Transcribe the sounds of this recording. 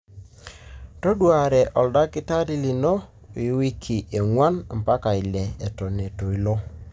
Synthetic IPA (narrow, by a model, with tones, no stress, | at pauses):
to˦dwa˨ɾɛ˨ʔɔ˨lda˦kɪ˦ta˦ɾi˦li˨no˦ | i˨˦wi˦kʰi˨ʔe˨ŋwa˦nm̩˨pa˦ka˨i˨lɛ˨ɛ˨tɔ˨ne˨to˨i˨lo˦